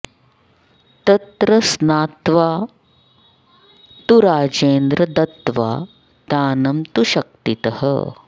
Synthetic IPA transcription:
t̪ɐt̪ɾɐsnaːt̪ʋaː | t̪uɾaːd͡ʒeːnd̪ɾɐd̪ɐt̪ʋa̰ː | d̪̥aːnɐmt̪uʃɐk̚t̪it̪ɐhə̰

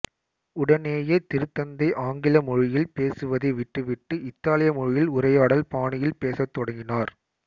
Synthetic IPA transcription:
ʊɽɐneːjeːt̪ɪɾɯt̪ːɐnd̪ɐɪʔaːŋɡɪlɐmɔɻɪjɪlpeːsɯʋɐðɐɪʋɪʈːɯʋɪʈːɯɪt̪ːaːlɪjɐmɔɻɪjɪlʊɾɐjaːɽɐlpaːɳɪjɪlpeːsɐt̪ːɔɽɐŋɡɪnaːɾ

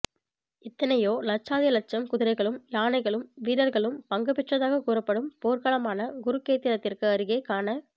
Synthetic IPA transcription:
ɪt̪ːɐnɐjoːlɐt͡ʃːaːðɪjɐlɐt͡ʃːɐmkʊðɪɾɐɪɣɐɭɯmjaːnɐɪɣɐɭɯmʋiːɾɐɾɣɐɭɯmpɐŋɡɐpɪʈrɐðaːɣɐkuːrɐpːɐɽɯmpoːɾkɐɭɐmaːnɐɡʊɾɯkeːt̪ːɪɾɐt̪ːɪrkɯɐɾɯɣeːkaːnɐ

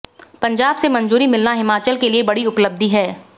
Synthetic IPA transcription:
pɐ̃ɲd͡ʒaːbsemɐ̃nzuːɾimɪlnaɦɪmaːt͡ʃəlkeliebɐɽiʊpləb̚d̪ʱiɦɛː

